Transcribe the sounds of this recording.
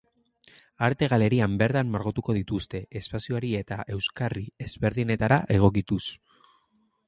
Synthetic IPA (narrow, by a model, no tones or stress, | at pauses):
aɾt̪e̞ɣ̞ale̞ɾiambe̞ɾt̪amːaɾɣot̪uko̞ð̞it̪ust̪e̞ʔespasioaɾie̞t̪aʔe̞wskarie̞zβe̞ɾðine̞t̪aɾaʔe̞ɣ̞o̞k̬it̪us